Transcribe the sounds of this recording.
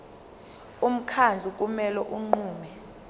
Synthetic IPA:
um̩kʰand͡zʱukʼumɛlɔʔuŋ͡ǃuːmɛ

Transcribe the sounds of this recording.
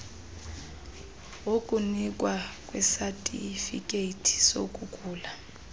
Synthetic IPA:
wokʼunik̬ʼwakʼwɛsatʼḭfḭkʼeitʰi̥so̰kʼukʼuːla

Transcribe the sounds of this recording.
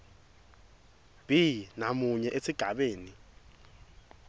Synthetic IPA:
b̥ʱinamuɲɛʔesiɡ̥ʱaɓeːni

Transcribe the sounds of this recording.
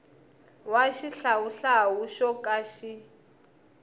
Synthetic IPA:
waʃiɬawuɬawuʃɔkʼaʃi

